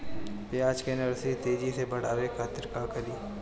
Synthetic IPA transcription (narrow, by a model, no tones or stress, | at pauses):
pɪaːd͡ʒkenɐɾsit̪eːd͡ʒisebɐɽ̤aːwekʰaːt̪ɪɾkakɐliː